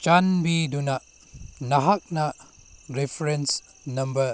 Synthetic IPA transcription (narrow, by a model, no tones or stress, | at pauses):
t͡ʃanbidunaʔ | naɦak̚na | ɾepʰɾens | nɐmbə